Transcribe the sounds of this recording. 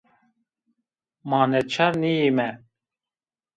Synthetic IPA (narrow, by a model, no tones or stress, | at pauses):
mɑːnɛt͡ʃʰɑɾnijimɛ